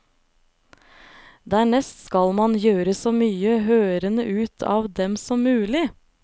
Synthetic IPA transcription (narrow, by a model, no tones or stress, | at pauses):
d̪æːɳɛst̪skɑlmɑnjøːɾəsoːmyːəɦøːɾənəʔʉːt̪ʰɑ̰ːʋd̪ɛmsɔmʉːlɪ